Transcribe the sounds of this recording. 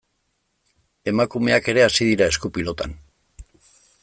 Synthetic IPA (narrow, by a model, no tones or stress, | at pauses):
e̞makume̞ake̞ɾe̞asiðiɾae̞skupilo̞t̪a̰n